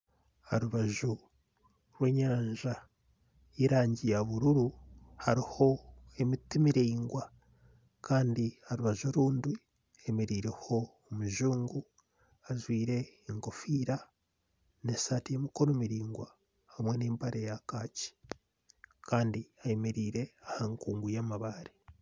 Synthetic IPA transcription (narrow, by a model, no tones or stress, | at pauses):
ha̰ɾuβaʒu | ɾwe̞ːɲaːɲʒa | iɾaːɲɟijaβuɾuɾuhaɾiho̞e̞mitimiɾiːŋɡwa | kaːndihaɾuβaʒoɾuːndwi | emeɾiːɾeho̞ːmuʒuːŋɡu | azwiːɾe̞ːŋko̞fiːɾa | ne̞satije̞miko̞ɾomiɾiːŋɡwa | hamwe̞neːmpaɾejakaːci̥ | kaːndiajemeɾiːɾe̞ahaŋkuːŋɡujamaβaɾi